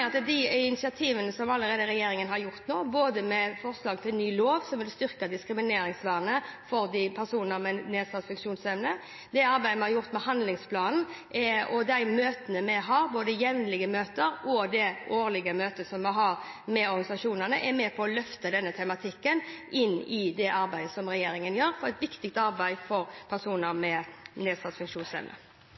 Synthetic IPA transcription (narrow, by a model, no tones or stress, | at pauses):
ɑt̪d̪ɪɪnɪsɪɑt̪ʰiːʋənəsɔmɑlːəɾeːd̪əɾɛjeːɾɪŋənɦɑɾjʊɾt̪noːboːd̪əmɛfɔʁslɑːɡt̪ʰɪlnyːloːʋsɔmʋɪlst̪ʏʁkɑd̪ɪskɾɪmɪneːɾɪŋsʋæʁnəfɔɾd̪ɪpʰæɾsuːnnəɾmɛneːsɑt̪fɪkʂuːnsɛʋnə | d̪ɛɑɾbæɪəmɛnhɑɾjʊʁt̪mɛhɑnd̪lɪŋspʰlɑːnn̩ʔɛɔd̪æɪmøːt̪ənəmɛɦɑːɾboːd̪əjɛʋnlɪɡəmøːt̪əɾɔd̪ɛoːɾlɪɡəmøːt̪əsɔmːɛɦɑɾ | mɛɔɾɡɑnɪsɑʂuːnənəʔɛmɛpʰɔːlœft̪əd̪ɛnːət̪ʰɛmɑt̪ʰɪkːənʔɪnːɪd̪ɛʔɑɾbæɪd̪əsɔmɾɛjeːɾɪŋənjøːɾfɔɾɛt̪ʋɪkt̪ɪk̚t̪ɑɾbæɪfɔɾpʰæʁsuːnəɾmɛneːsɑt̪sfʉŋkʂuːnsɛ̰ʋnə̰